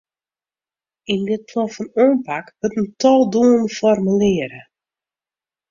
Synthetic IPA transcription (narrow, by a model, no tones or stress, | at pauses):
indɪt̚pʰlɔfɔnøːnpakʋøtəntʰɔlˠduːənəfɔrməlɪːəɾə